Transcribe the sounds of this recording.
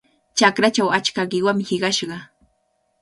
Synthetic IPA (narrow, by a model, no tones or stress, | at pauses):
t͡ʃakɾat͡ʃawat͡ʃkaɢɪwamhɪɢɑʃɢɑ